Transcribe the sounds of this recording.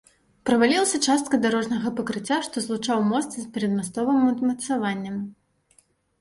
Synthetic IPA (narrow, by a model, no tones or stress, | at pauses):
pɾɐvalʲilˠɐsʲɐt͡ʂast̪̚kɐd̪aɾɔʐnɐɣɐpɐkɾɨt͡sʲːaʂt̪ɔzlˠut͡ʂawmɔst̪sspʲɛɾʲɐd̪mast̪ɔvɨmɐt̪mɐt̪savanʲːɐm